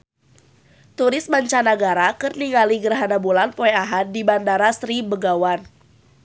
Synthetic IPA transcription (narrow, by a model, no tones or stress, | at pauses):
t̪uɾɪsmaɲt͡ʃanaɡaɾakərniŋaliɡəɾɦanabulanpoɛaɦat̪̚dibandaɾasɾibəɡawan